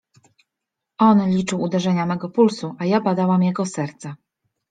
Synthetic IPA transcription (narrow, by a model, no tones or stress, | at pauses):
ʔɔnlʲit͡ʂɘwud̪ɛʐɛɲamɛɡɔpulsuʔajabad̪awamjɛɡɔsɛɾt̪sa